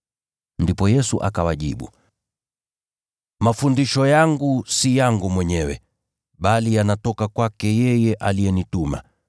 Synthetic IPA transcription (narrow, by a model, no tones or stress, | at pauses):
ndipɔjɛsuʔa̰kawaʄḭɓṵ | mafundiʃɔjaŋɡusijaŋɡumwɛɲɛwɛ̰ | ɓalijanatɔkakwakɛjɛjɛʔaliɛnituma̰